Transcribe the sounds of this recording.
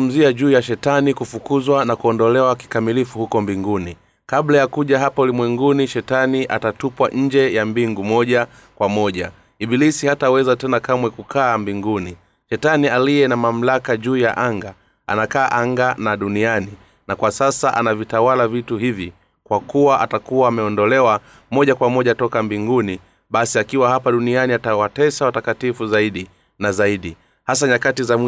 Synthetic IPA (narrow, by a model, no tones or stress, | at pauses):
m̩ziaʄuːjaʃɛtanikufukuzwanakuɔndɔlɛwaki̥kamilifuhukɔmbiŋɡuni | kablajakuʄaɦapaulimwɛŋɡuniʃɛtaniʔatatupwaʔɲ̩d͡ʒɛjambiŋɡumɔʄa | kwamɔʄa | iɓilisihatawɛzatɛnakamwɛkukʰaːmbiŋɡuni | ʃɛtanialijɛnamam̩lakaʄuːja̰ʔaŋɡa | a̰nakaːʔaŋɡanaɗuniani | nakwasasaʔanavitawalavituhivi | kwakuwaʔatakuwaːmɛɔndɔlɛwa | mɔʄakwamɔʄatɔkambiŋɡuni | ɓasiakiwaɦapaɗunianiatawatɛsawatakatifuzaiɗi | nazaiɗi | has̬aɲakatizam